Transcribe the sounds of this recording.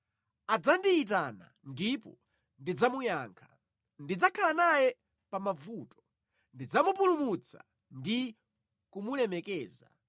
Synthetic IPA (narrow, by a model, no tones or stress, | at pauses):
ad͡zandiit̬ana̰ndipɔ̰ | ndid͡zamujaːŋkʰḁ | ndid͡zakʰalanajɛ | pamavuːtɔ̥ | ndid͡zamupulumut͡sʰa̰ | ndi | kumulɛmɛkɛːza̰